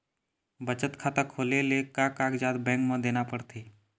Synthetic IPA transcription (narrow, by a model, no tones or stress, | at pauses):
bət͡ʃət̪kʰaːt̪akʰoːlelekakaːkd͡ʒaːd̪bɛ̃ːŋkmə̃d̪eːnapəɽt̪ʰeː